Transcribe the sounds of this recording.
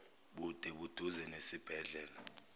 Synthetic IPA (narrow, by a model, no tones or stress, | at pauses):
ɓud̥ʱɛɓud̥ʱuzɛnesib̥ʱɛɮɛːla